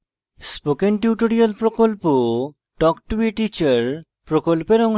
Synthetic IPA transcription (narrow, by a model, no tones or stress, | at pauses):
spokenʈuʈoɾialpɾokolpo | ʈɔkʈuiʈit͡ɕaɾ | pɾokolpeɾɔŋ